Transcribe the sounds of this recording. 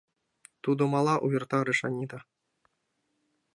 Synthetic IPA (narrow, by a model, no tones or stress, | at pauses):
t̪ud̪ŏmɑlˠɑʔujĭrt̪ɑɾɘʂɑnʲid̪ɑ